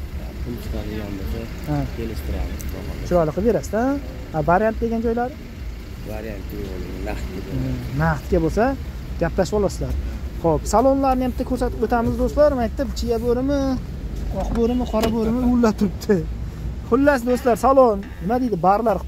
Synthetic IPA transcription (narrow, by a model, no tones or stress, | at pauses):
apʰʊlˠst̪ʰa̰d̪eɡʲa̰nbo̰sa | hakʲʰelɪʃt̪ʰɪɾa̰mɪ̰zt̪ʰɒ̰ma̰nt͡ʃʰʊɾɒjlˠɨqʰbe̞ɾasd̪a | avaɾjant̪̚d̪e̞ɡʲand͡ʒɒjlaɾ | va̰ɾija̰nt̪ɪo̰lɪ̰ɪna̰χt̪ed̪naqt̪ɡʲabosa | ɡ̥ʲaplaʃbɒlˠasɪlaɾχopsalˠonlaɾnɪjampɪt̪ʰːakʰɵɾsat̪ɪbot̪ʰamɪzd̪ost̪laɾmajt̪ʰːɪpt͡ʃʰijaboɾɪmɪ | ɒqboɾɪmɪqʰɒɾaboɾɪmɪjulːat̪ʰʊɾɪp̚t̪ʰɪ | qʰʊlːas̬d̪ost̪laɾsalˠonnɪmad̪ed̪ɪbaɾlaɾ